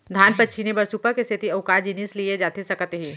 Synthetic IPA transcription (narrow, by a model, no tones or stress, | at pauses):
d̪ʱaːnpɐtːʃʰinebɐɾsupəkest̪ʰɪt̪iɐʊkaːd͡ʒinislied͡ʒaːt̪esɐkət̪ɦiː